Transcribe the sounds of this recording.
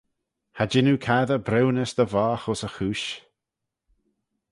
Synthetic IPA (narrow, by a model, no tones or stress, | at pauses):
had͡ʒɪnukʰaðəbɾɛwnəsd̪əvaːxɔsəxuːʃ